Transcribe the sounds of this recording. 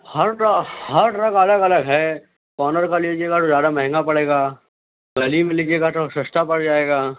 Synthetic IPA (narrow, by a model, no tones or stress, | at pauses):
hɐɾɾɐɡhɐɾɾɐɡɐləɡɐləɡɦɛ | kɔːnəɾkaliːd͡ʒeːɡat̪ozjaːd̪amɛɦɪ̃ŋɡapɐɽeːɡaː | ɡɐlimẽlid͡ʒeːɡat̪osɐst̪apɐɽd͡ʒaːeːɡaː